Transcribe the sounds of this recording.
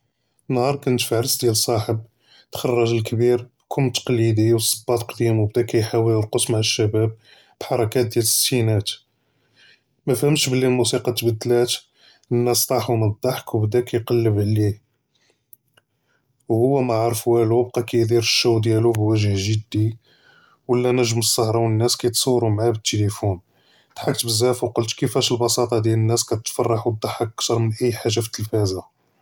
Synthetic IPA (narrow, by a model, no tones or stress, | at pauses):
ənːhɑɾˤkʊnət̪fæʕɾəsd̪jælsˤɑħəb̚ | t̪xɑrˤːɑʒəlkbiɾ | kʰʊmːt̪ːə̥qlid̪iwsˤːəbːɑt̪qd̪imwbd̪ækæjħawələɾqosmaʕaʃːæbæb̚ | b̥ħɑɾˤɑkæt̪̚d̪jælsinæt̪ | mæfhəmʃbəlːilmusiqɑt̪bæd̪ːlæt̪ | ənːæst̪ˤɑħumənd̪ˤːɑħkwbd̪ækæjqɑlːəbʕli | whʊwːæmæʕɑɾˤəfwælub̚qɑkæjd̪iɾəʃːuwd̪jælubwæʒəhʒəd̪ːi | wəlːænæʒəməsˤːɑhɾˤɑwənːæskæjt̪sˤuːɾumʕabət̪ːelifun | t̪ħak̚t̪bəzːæfwqəlt̪kəfæʃəlbɑsɑt̪ˤɑd̪jælənːæskæt̪t̪fɑrˤːɑħwəd̪ˤːɑħʔkt̪ɑɾˤmənʔæjːħaʒːaft̪ːəlfæza